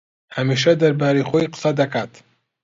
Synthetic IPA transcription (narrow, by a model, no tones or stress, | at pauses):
hɐmiːʃɐd̪ɐɾbaːɾejxojqɨ̥sɐd̪ɐkaːt̪